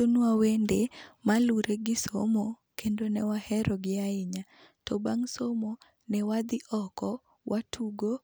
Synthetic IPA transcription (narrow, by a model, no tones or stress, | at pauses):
onwawendemaluɾʔeɡɪsomo | kʰendonɛwahɛɾɔɡɪaɪɲa | tɔbaŋsomo | nɛwad̪ɪʔɔkɔ | wʔatʰuɡo